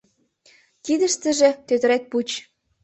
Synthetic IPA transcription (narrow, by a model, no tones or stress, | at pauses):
t̪id̪ə̆ʃt̪ə̆ʒĕt̪øt̪ə̆ɾet̪̚put͡ɕ